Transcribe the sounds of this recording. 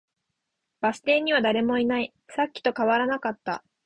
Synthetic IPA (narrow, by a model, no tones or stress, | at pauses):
b̥asɨ̥t̪ẽ̞ɲ̟iβ̞ad̪aɾe̞mo̞inai | sakʲːi̥t̪o̞kaβaɾanakat̪ːa̰